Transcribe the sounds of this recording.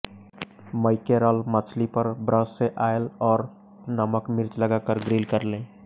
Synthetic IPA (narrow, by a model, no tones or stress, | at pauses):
məɪkeɾəlmət͡ʃʰlipəɾbɾəsːeʔaːelɔːɾ | nəməkmɪɾt͡ʃləɡakəɾɡɾiːlkəɾlẽː